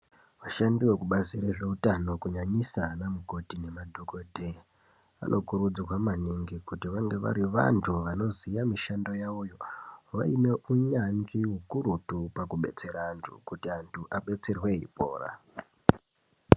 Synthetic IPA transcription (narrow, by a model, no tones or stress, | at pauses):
ʋaʃandiwekuɓaziɾeʐe̞utano̞kuɲaɲisanamuko̞tine̞madʱoko̞dʱe̞ | a̰nʔo̞kuɾud͡zrwamaniŋɡikutiʋaŋɡeʋa̰ɾiʋa̰ntʰuʋano̞zijamiʃandojaujo̞ʋa̰ine̞ʔuɲand͡ʒiɦukuɾutupakuɓe̞̰t͡se̞ɾaːntʰṵkutiantʰuʔaɓe̞t͡se̞rwe̞ḭpo̞̰ːɾa̰